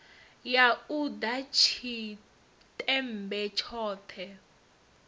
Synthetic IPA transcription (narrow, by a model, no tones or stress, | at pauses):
jaudat͡ʃʰi | tʼɛm̩bɛt͡ʃʰɔːt̪ʰɛ